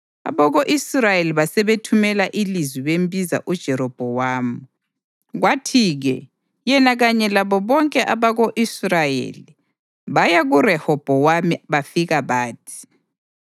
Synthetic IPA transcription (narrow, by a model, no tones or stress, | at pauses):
a̰βɔɣoʔisrajeliβasɛβetʰumɛlaʔilizwiβembʱiza̰ʔud̥ʒ̥ʱɛɾɔb̥ʱɔwaːmu | ɣwatʰiːɣɛ̰ | jɛnaɣaɲɛlaβɔβɔŋkʼɛʔaβaɣoʔisrajḛli | βajaɣurɛhɔb̥ʱɔwamiβafiɣaβaːtʰi̥